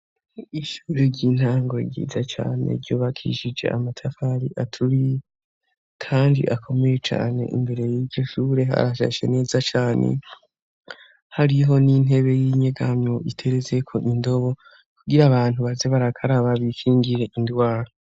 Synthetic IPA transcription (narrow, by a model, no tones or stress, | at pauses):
iʃuːɾeɟiːn̥haːŋɡo̞ɟḭːzat͡ʃa̰ːne̞̰ɾɟuːβakʰḭʃid͡ʒe̞̰ʔamatʰafaɾiʔatʰuɾij | kʰaːndḭʔakʰo̞me̞je̞t͡ʃa̰ːne̞̰ʔḭmbe̞ɾe̞jiːbɟo̞ʃuːɾe̞ɦa̰ɾaʃa̰ʃe̞̰ne̞ːzat͡ʃaːnḛ | haɾiɦo̞nin̥e̞βe̞jiɲeɡamoʔitʰe̞ɾeze̞kʰo̞ʔindo̞βo̞ | kʰuɡiɾaβaːn̥uβaze̞βaɾakʰaɾaβaβifiːŋɡiɾe̞ʔindwaːɾo